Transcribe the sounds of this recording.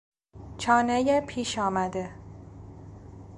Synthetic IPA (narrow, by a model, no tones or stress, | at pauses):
t͡ʃʰɒːnejepʰiːʃɒːmæd̪e